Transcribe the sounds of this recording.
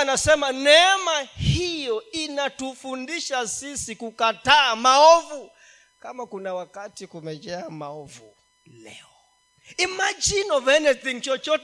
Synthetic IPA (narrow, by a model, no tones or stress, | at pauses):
anasɛmanɛmahijɔinatufundiʃasisikukataːmaɔvu | kamakunawakatikumɛd͡ʒɛamaɔvu | lɛ̰ɔ | imad͡ʒinɔvɛnɛzint͡ʃɔt͡ʃɔt